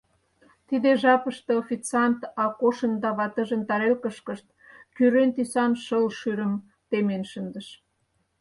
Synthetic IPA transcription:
t̪id̪eʒɑpəʃt̪ɤofʲit͡sɑnt̪ɑkoʃənd̪ɑβɑt̪ə̆ʒə̆nt̪ɑɾelkəʃkəʃt̪̚ | kyɾent̪isɑnʃəlʃyɾəm | t̪emenʃənd̪əʃ

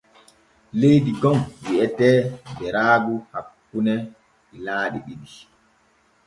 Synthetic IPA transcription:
lejdiɡɔŋwiɛtɛbɛɾaːɡuhakːunɛ | ɗilaːɗiɓiɗi

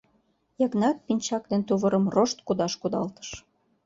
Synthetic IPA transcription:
jɑɣnɑk̪̚pinʲt͡ɕɑk̚d̪ent̪uβəɾə̆mroʃt̪kud̪ɑʃkud̪ɑlt̪ə̥ʃ

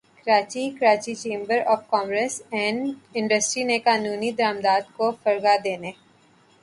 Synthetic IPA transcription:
kɐɾaːt͡ʃikɐɾaːt͡ʃit͡ʃẽːmbəɾɔːfkɔ̃ːmɾəsɛ̃ːɳɖɪ̃ɳɖəsʈɾinekaːnuːnid̪əɾaːmd̪aːd̪kofɐɾɡad̪eːneː

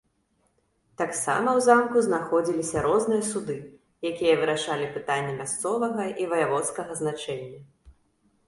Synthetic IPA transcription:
t̪aksa̰mɐwzamkuznaxɔd͡zʲilʲisʲɐɾɔznɨjɐsud̪ɨ | jakʲijɐvɨɾaʂalʲipɨt̪anʲːɛmʲast̪sɔvɐɣɐivɐjavɔt̪skɐɣɐznat͡ʂɛnʲːɐ

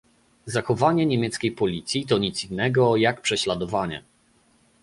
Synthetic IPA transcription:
zaxɔvaɲɛɲɛmʲjɛt̪skʲejpɔlʲit̪sʲjit̪ɔɲit̪sinːɛɡɔjakpʂɛɕlad̪ɔvaɲɛ̰

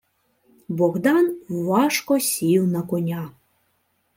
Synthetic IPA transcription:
bɔɣd̪ɑnwːɑʃkɔsʲiwnɐkɔnʲa

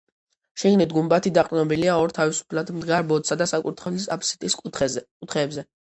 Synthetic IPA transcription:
ʃiɡnit̪ɡumbat̪ʰid̪aqʼnɔbiliaɔɾt̪ʰavisu̥pʰlad̪md̪ɡaɾbɔd̪sad̪asakʼut̪ʰχɛlisapʰsi̥t̪ʼis | ut̪ʰχɛːbzɛ

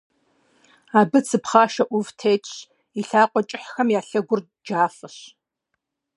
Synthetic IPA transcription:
aːbɨt͡sʰɨpχɑːʃɐʔʷʊvtʰeːtʰʼɕ | iɬaːqʷʼɔt͡ʃʼɪħxɐmjaːɬɐɡʷʊr | d͡ʒaːfɐɕ

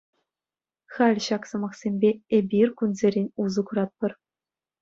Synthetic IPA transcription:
χɑlʲɕɑksɤ̆mɑχsʲemʲbʲeebʲirkunzʲeɾʲenʲuzɤ̆kuɾɑt̪̚pɤ̆r

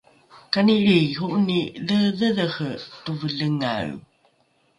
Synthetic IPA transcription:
kaniɾiɦuʔniləðəðəxətuvəɮəŋa̰ɭ

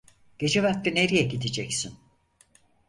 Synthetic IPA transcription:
ɟ̥e̞d͡ʒeβaklɯneɾijɛɟid̪id͡ʒɛcsin

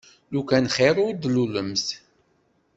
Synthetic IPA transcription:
lukænχeɾˤʊɾd̪luləms

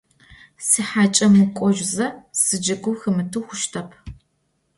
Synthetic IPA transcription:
sɨħaːt͡ʃʼɐmɨkʷʼɔʒʷzɐsɨd͡ʒɐkʷʊxɨmɨtʰuːxʷʊʃtʰɐpʰ

